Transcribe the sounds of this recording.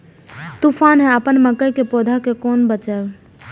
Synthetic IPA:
t̪upʰaːnɦɛ̃əpənməkəjkepod̪ʱakekoːnbət͡ʃɛːb

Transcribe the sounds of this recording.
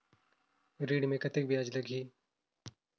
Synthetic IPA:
ɾiːɖmẽkɐt̪ɪk̚bʱjaːd͡ʒlɐɡʱiː

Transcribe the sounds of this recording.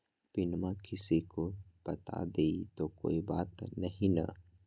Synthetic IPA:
pɪnmãkɪsikopɐt̪a̰d̪eːit̪oko̰ːibaːt̪nɐɦĩna̰

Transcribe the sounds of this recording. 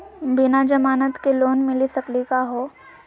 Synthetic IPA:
bɪnad͡ʒɐmaːnət̪keloːnmɪlisɐklikaɦoː

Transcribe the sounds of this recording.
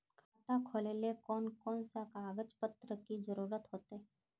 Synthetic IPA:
kʰaːʈ̪akʰoːlelekɔːnkɔːnsakaːɡət͡ʃpət̪ɾəkid͡ʒəɾuːɾət̪ɦoːt̪e

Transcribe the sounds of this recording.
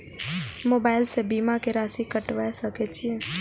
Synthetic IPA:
mobaːɪlsebimakeɾasikəʈʋaesəkɛt͡ʃʰije

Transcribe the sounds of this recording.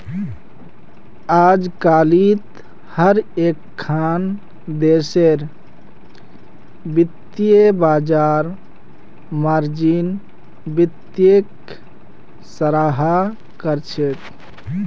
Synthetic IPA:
ad͡ʒkalit̪ | həɾekʰːan | d̪eseɾ | bit̪ijebad͡ʒaɾ | məɾd͡ʒin | bit̪jek | səɾaɦa | kəɾt͡ʃʰet̪

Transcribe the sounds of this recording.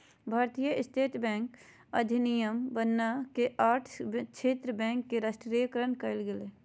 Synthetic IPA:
bʱaːɾt̪ijəʔɪst̪ʰeːt̪bɛ̃ːŋk | ɐd̪ʱinijəmbənːakeʔaːʈʰt͡ʃʰeːt̪ɾəbɛ̃ːŋkːeɾasʈɾijkəɾənkəɪlɡeleː

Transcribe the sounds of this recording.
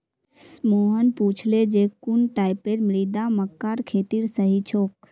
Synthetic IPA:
smoːɦənpuːt͡ʃʰled͡ʒeːkunʈaːɪpeɾmɾiːd̪aməkːaːɾkʰeːt̪iːɾsəɦit͡ʃʰoːk

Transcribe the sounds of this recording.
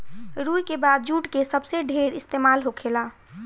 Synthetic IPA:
ɾujkebaːd̪̚d͡ʒuːʈkesəbseɖʱeːɾɪst̪eːmaːlɦokʰela

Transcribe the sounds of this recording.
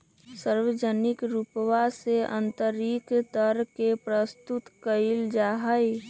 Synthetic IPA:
səɾwəd͡ʒənɪkɾupʋaseə̰̃nt̪əɾikt̪əɾkepɾəst̪ut̪kəɪld͡ʒaːɦəj

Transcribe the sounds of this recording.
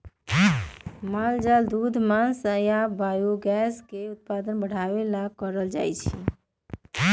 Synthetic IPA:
mald͡ʒald̪ud̪ʱmansəjabajoɡɛskeut̪̚pad̪ənbəɽ̤aʋelakəɾəld͡ʒa̰jt͡ʃʰḭ

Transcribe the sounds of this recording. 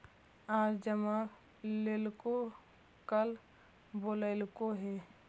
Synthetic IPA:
aːɾd͡ʒəma | leːlko | kəl | boːləɪlkoɦɛː

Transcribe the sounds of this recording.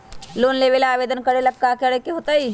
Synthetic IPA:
loːnleːʋeːlaaːʋeːd̪ənkəɾeləɡ̚kːaːkeɽekeɦoːt̪aiː

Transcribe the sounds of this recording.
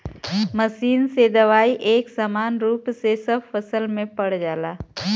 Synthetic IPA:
məsiːnsed̪ɐʋaːiʔeːksaːmaːnɾuːpsesəbfɐsəlmẽpɐɽ̤d͡ʒaːlaː

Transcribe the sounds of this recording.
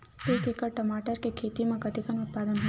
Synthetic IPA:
ukekəɽʈɐmaːʈəɾkekʰeːt̪imãɡɐt̪ikənʊt̪̚paːd̪ənɦ

